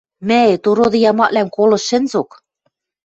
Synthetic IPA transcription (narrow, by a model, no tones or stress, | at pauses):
mæĕt̪uɾod̪ɤ̆jɑmɑʔ̪lænkolɤ̆ʃɘ̆nzok